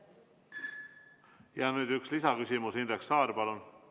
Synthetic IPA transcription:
jɑnyːd̪ykslisɑkysʲimusind̪ɾeksɑːɾpɑlun

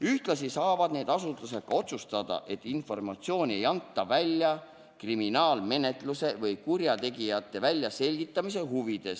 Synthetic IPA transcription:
yht̪lɑsisɑːvɑd̪̥ne̞ːd̪̥ɑsut̪luse̞̥kɑo̞t̪sust̪ɑd̪̥ɑ̰ʔe̞t̪ˑːinfo̞rmɑt̪sio̞ːnʲie̞jɑnt̪ːˑɑvælʲːjɑ | kriminɑːlme̞ne̞t̪ˑluse̞vɤjkurjɑt̪e̞ɡijɑt̪ˑːe̞vælʲjɑse̞lʲɡit̪ːˑɑmis̬e̞ɦuvid̪̥e̞s

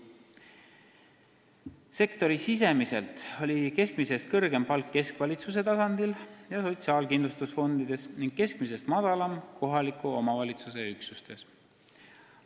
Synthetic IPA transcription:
se̞kt̪o̞ɾisis̬e̞mise̞̰lt̪o̞lʲike̞skmise̞st̪̚kɤrɡ̥e̞mpɑlkːe̞skvɑlʲit̪sus̬e̞t̪ɑsɑnd̪̥iljɑso̞t̪ʲsiɑːlkind̪lust̪usfo̞nd̪id̪̥e̞sniŋɡ̥̚ke̞skmise̞st̪mɑd̪̥ɑlɑmkʰo̞ɦɑlikˑuo̞mɑvɑlʲit̪suse̞yksust̪e̞s

